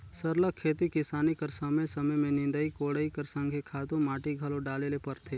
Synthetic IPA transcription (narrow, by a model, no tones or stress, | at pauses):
sɐɾləkʰːeːt̪ikɪsaːnikɐɾsɐməjsɐməjmẽnɪ̃nd̪əikoːɽəikɐɾsə̃ŋɡʱekʰaːt̪õmaːʈiɡʱɐlõɖaːlelepɐɾt̪ʰeː